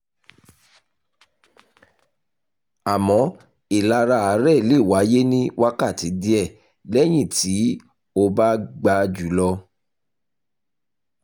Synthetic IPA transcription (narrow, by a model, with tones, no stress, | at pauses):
a˨mɔ̃˨˦ | i˨la˧ɾa˧a˨˦ɾɛ˦˨le˦˨wa˨˦je˦nĩ˦wa˦ka˦˨ti˨˦di˦ɛ˦˨ | lɛ˦j̃ĩ˦˨ti˨˦ | o˧ba˦ɡ͡ba˧d͡ʒu˨˦lɔ˧